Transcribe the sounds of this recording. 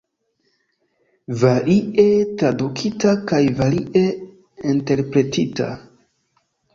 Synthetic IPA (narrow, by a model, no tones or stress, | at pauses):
vaɾietɾadukʰitakajvaɾiʔe | inte̞ɾpɾe̞tita̰